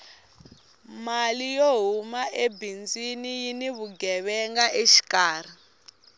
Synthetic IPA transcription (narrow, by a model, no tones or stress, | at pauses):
malijoɦumaʔebind͡zinijiniβuɡɛβɛŋɡaʔeʃi̥kaːr̤i